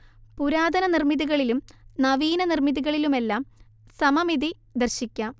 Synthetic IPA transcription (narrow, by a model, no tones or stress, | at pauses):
puɾaːd̪ɐnɐnirmiðuɣɐɭilumnɐʋiːnɐnirmiðiɣɐɭilume̞lːaːm | sɐmɐmiði | d̪ɐrɕikʲːɐm